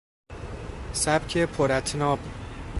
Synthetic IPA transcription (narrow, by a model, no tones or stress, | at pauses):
sæb̥cʰepʰoɾæt̪ʰnɒːb